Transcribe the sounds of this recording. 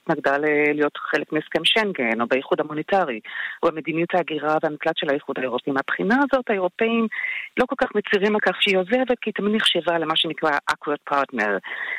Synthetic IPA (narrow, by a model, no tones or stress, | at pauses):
tnaɡdalelijo̞tχe̞lekmieskemʃeŋɡeno̞bejiχudhamonetaʁioamed̪inijuthaːɡiʁaveamit͡slatʃelajiχudhaeʁopeimapχinaːzo̞thaeʁo̞pe̞imlo̞ko̞lkaχmet͡siʁimekaχʃeio̞zevet̚kiːt̪aminiχʃevale̞maʃenikʁaʔakwot̚pʰaʁtneʁ